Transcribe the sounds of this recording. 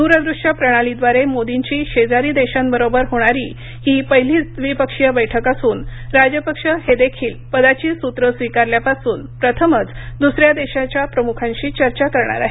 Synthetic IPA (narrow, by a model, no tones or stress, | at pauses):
d̪uɾəd̪ɾuʂapɾəɽ̃alid̪ʋaɾemod̪iɲt͡ɕiːɕed͡zaɾiːd̪eɕambəɾobəɾɦoɽ̃aɾiː | hiːpəɦiliːd̪ʋipəkʂjəbəjʈʰəkasuːnɾad͡ʑjəpəkʂəhed̪ekʰiːlpəd̪at͡ɕiːsut̪ɾəsʋikaɾljapasuːnpɾət̪ʰəmət͡sd̪usɾjad̪eɕat͡ɕjapɾəmukʰãɲt͡ɕiːt͡ɕəɾt͡ɕakəɾɳa̰ɾa̰ɦe